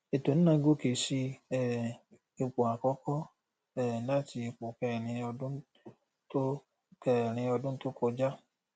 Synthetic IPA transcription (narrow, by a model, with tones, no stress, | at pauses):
e˨to˨n̩˦nã˧˦ɡo˦ke˨si˧ɛ˨ | e˧k͡pu˨a˨kɔ˧˦kɔ˦ | ɛ˨na˦ti˧i˧k͡pu˨kɛ˨ɾ̃ĩ˧ɔ˧dũ˦ | to˦ | kɛ˨ɾ̃ĩ˧ɔ˧dʊ̃˦n̩˦to˦ko˧d͡ʒa˦